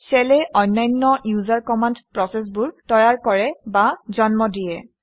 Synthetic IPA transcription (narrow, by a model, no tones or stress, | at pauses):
sɛlɛʔɔnːajnːɔjuzaɹkɔmandpɹɔsɛs̬bʊɹtɔjaɹkɔɹɛbazɔnmɔdijɛ